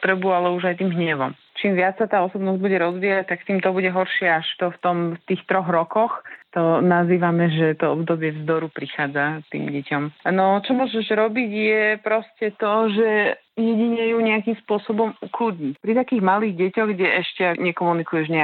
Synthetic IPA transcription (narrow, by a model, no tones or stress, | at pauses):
t̪ɾɛbualɛuʒajt̪iːmɦɲɛʋɔm | t͡ʃiːmʋɪat͡ssat̪aːɔsɔbnɔzɟ̚buɟɛɾɔzʋiːjac̚t̪akt̪iːmt̪ɔbuɟɛɦɔɾʃɪɛaʃt̪ɔft̪ɔmt̪iːxt̪ɾɔɣɾɔkɔxt̪ɔnaziːʋamɛʒɛt̪ɔɔbd̪ɔbɪɛvzd̪ɔɾupɾixaːd͡zat̪ḭːmɟɛcɔmnɔt͡ʃɔmʊɔʒɛʒɾɔbiɟjɛpɾɔscɛt̪ɔʒɛ | jɛɟiɲɛjuɲɛakiːmspʊɔsɔbɔmukluɟɲipɾit̪akiːɣmaliːɣɟɛcɔɣɡɟɛɛʃcɛɲɛkɔmunikujɛʒɲɛ